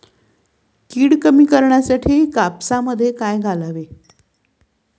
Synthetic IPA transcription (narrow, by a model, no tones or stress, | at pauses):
kiːɽkəmiːkəɾɳjasaʈʰiːkapsaməd̪ʱːjekajɡʱalaʋe